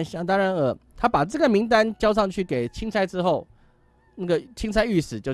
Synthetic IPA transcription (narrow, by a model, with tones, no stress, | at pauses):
nɕɑ˥˧t̪ɑ˥ŋɻa˧˦nə˨˩˦t̪ʰa˥pa˨˩ʈ͡ʂə˥˩ɡə˩mi˧˥ŋt̪̬a˦nt͡ɕjɑ˥ʊʂ̬ɑ˥˧ŋt͡ɕʰy˥˩ke˨˩ɪt͡ɕʰi˥ŋt͡sʰa˥ɪʈ͡ʂɻ̩˥xo˥˩ʊ | na˥˩ɡə˩t͡ɕʰi˥ŋt͡sʰa˥ɪy˥˩sɹ̩˨˩t͡ɕjo˥˧ʊ